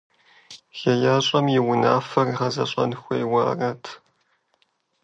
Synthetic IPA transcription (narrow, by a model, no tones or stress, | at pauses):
xɐjaːɕʼɐmjɪwʊna̰ːfɐrʁɐzɐɕʼɐ̰nxʷɐjwa̰ːrɐtʰ